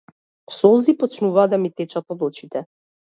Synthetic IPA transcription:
sɔzipɔt͡ʃnuvaːd̪amit̪ɛt͡ʃat̪ɔd̪ɔt͡ʃit̪ɛ

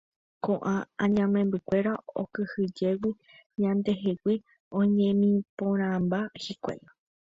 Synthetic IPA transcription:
kõʔããɲãmẽmbɨkʷe̞ɾao̰kɨhɨd͡ʒe̞wi | ɲãnd̪e̞ɦewi | õ̞ɲẽmĩpõɾ̃ãmbahikʷḛma

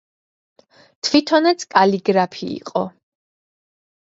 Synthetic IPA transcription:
t̪ʰvit̪ʰɔnɛt̪sʰkʼaliɡɾapʰḭːqʼɔ

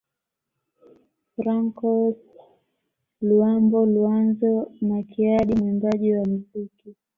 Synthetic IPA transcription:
fɾaŋkɔ | luambɔluanzɔnakiaɗimimbaʄiwam̩ziki

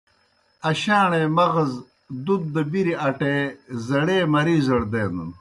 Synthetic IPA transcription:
ɐɕaːɳemɐɣɐz | d̪ud̪̚ːɐbiɾiɐʈezɐɽeːmɐɾiːzɐɽd̪eːnṵn

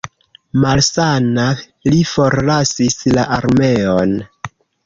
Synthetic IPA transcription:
malsana | lifo̞ɾlasislaʔaɾme̞on

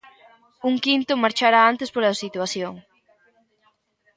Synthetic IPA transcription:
uŋkint̪ʊmaɾt͡ʃaɾaant̪espoɾasit̪waθjoŋ

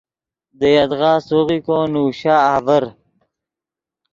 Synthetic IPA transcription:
d̪əjɐd̪ʁaːsoɣikõːnuːɕaːaːvəɾ

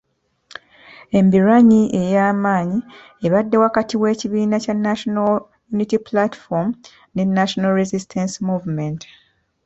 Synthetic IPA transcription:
e̞mbiɾaɲiʔe̞jaːmaːɲi | eβadːe̞wakatiwe̞ːciβiːnacanːaʃonal | junitiplati̥fom | ne̞nːaʃo̞nalɾezistʰensmuːvment

